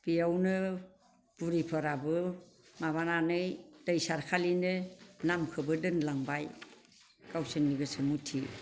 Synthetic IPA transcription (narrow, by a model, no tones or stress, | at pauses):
pijawnɯ | b̥uɾipʰɯɾabɯ | maβananɯjd̥ajsaɾkʰalinɯnamkʰɯbɯdɯnlaŋbaj | kawsɯnːiɡɯsɯmutʰi